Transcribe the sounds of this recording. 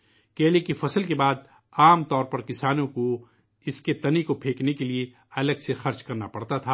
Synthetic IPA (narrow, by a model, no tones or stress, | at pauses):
keːlekifɐsəlkebaːd̪̚ | aːmt̪ɔːɾpɐɾkɪsaːnõko | ɪsket̪ɐnikopʰeːknekelie | ɐləɡsexɐɾt͡ʃkɐɾnapɐɽt̪at̪ʰaː